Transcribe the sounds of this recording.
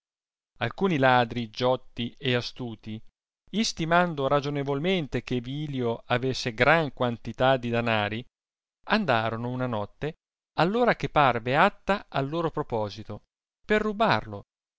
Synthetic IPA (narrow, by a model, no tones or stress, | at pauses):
a̰lkuːnilaːd̪ɾid͡ʒɔt̪ːieast̪uːt̪i | ist̪imand̪oɾad͡ʒonevolment̪ek̟eviːljoavesːeɡɾaŋkwant̪it̪ad̪ːid̪anaːɾi | and̪aːɾonounanɔt̪ːe | alːoːɾakepːarveat̪ːaalːoːɾopɾopɔːzit̪o | perːubarlo̰